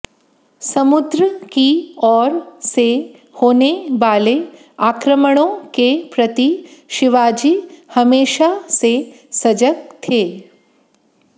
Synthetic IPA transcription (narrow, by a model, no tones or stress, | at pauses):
sɐmʊd̪ɾəkiɔːɾse | hoːneʋaːle | aːkɾəməɽ̃õkepɾɐt̪iʃɪʋaːd͡ʒihɐmeːʃase | sɐd͡ʒək̚t̪ʰeː